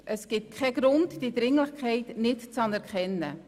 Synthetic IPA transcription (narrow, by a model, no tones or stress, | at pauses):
ʔəsɡ̥ɪt̚kʰχɛɡ̥ɾʊntd̥id̪ɾɪŋlɪχkχɛɪtnɪtt͡sɑnɛɾkχɛnːə̰